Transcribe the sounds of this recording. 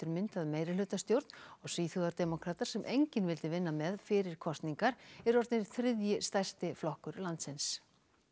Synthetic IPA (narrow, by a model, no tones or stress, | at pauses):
t̪ʏɾmɪnt̪aðmeːjɾɪlʏːt̪ast̪jowɾt̪nɔɣsviːθuðaɾt̪ɛmɔkʰɾaːt̪aɾ̥sɛmʔejɲcɪnvɪlt̪ɪvɪnːamɛðfɪɾɪɾ̥kʰɔst̪niŋkaɾɛɾɔɾt̪nɪɾ̥θɾɪðjɪst̪ajst̪ɪflɔhkʏɾlant̪sɪns